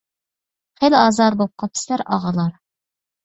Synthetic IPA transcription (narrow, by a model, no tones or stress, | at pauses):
χejlɪɑːzɑɾbop̚qʰɑpʰɪ̥slæɾɑ̰ʁɑlˠɑɾ